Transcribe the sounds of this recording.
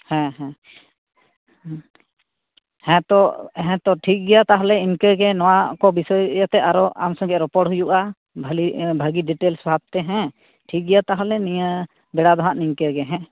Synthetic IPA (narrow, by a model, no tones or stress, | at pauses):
hɛ̃ɦɛ̃ | hɛ̃t̪ɔɦɛ̃t̪ɔʈʰik̚ɡɛjat̪aɦɔlɛinkɛɡɛnɔwakɔbisɔjjat̪ɛʔaɾɔa̰msɔŋɡɛɾɔpɔʈɦujuʔa | bʱlibʱaɡiɖiʈelsbʱab̚t̪ɛɦɛ̃ | ʈʰik̚ɡɛjat̪aɦɔlɛnija | bɛɽad̪ɔɦãʔninkɛɾɡɛɦɛ̃